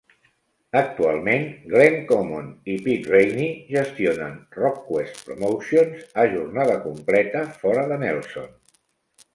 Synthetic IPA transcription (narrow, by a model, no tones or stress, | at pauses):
ək̚t̪ua̰lˠmenɡleŋkomonipit̪rejniʒəst̪ionə̰nrɔkːwest̪pɾumowsionzəʒurnaðəkumplɛt̪əfɔɾəðənɛlˠso̰n